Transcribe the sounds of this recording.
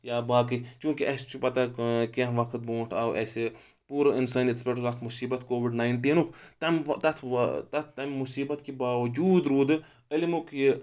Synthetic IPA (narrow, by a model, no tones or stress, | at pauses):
jaːbaːkit͡ʃũːkiɛst͡ʃʰupɐt̪akeɦʋɐkʰt̪̚bõːʈʰaːwʔɛːse | puːɾɐɪnsaːnet̪spʲeʈzɐkt̪mʊsiːbɐt̪koːʋɪɖnaːɪɳʈiːnukʰt̪ɐmt̪ɐt̪ʰt̪ɐt̪ʰt̪ɐmːʊsiːbɐt̪kibaːʋɐd͡ʒuːd̪ɾuːd̪ | ɐlimukʰji